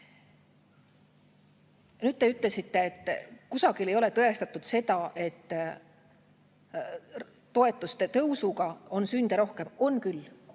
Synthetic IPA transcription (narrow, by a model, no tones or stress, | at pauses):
nyːd̪̥̚t̪e̞yt̪ˑle̞sit̪ːe̞ːt̪ːkusɑɡ̥ile̞jo̞le̞t̪ɤe̞st̪ɑt̪ˑːud̪̥se̞d̪ɑʔe̞t̪ː | o̞e̞t̪ːˑust̪e̞t̪ɤwsuɡɑo̞nsynd̪̥eɾo̞hke̞mo̞nkylː